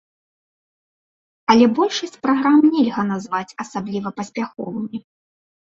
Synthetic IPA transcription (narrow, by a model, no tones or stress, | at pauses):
ɐlʲɛbɔlʲʂɐsʲt͡sʲpɾaɣɾamnʲɛlʲɣɐn̪azvat͡sʲɐsablʲivɐpɐsʲpʲaxɔ̰vɨmʲi